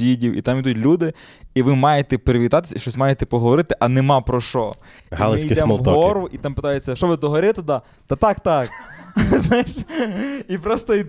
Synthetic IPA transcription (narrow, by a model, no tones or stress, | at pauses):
idʲiwʔḭt̪ɑmjid̪utʲlʲud̪ɪiʋɪmɑjet̪ɛpeɾɪʋʲit̪ɑt̪ɪ̥sʲiʃt͡ʃɔsʲmɑjet̪ɛpɔɦɔʋɔɾɪt̪ɪʔɐnemɑpɾɔʃɔ | ɦiɑ̰lˠɐɪsikʲisɛmlˠɦt̪ɔɔɾʊʔit̪ɑmpɪt̪ajet͡sʲːɐʃɔʋɪd̪ɔɦɐɾʲɪt̪ʊd̪ɑ | t̪ɐt̪ɑkt̪ɑkznɑjɪʃ | ipɾɔst̪ɔi